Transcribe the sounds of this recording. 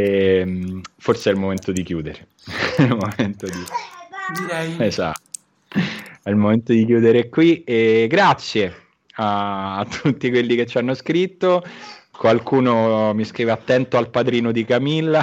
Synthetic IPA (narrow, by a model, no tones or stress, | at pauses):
ɛmforseɛlmoment̪od̪ikjuːd̪eɾe | ilmoment̪od̪id̪iɾɛjeza̰t̪ːo | ɛilmoment̪od̪ikjuːd̪eɾɛkːwieɡɾat̪sːje | aːt̪ːʰut̪ːikwelːiket͡ʃːanːoskɾit̪ːokwalkuːnomiskɾiːveat̪ːɛnt̪oalpad̪ɾiːnod̪ikamilːa